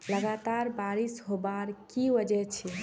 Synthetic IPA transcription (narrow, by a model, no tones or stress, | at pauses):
ləɡat̪aɾbaɾisɦobaɾkibəd͡ʒɛt͡ʃʰi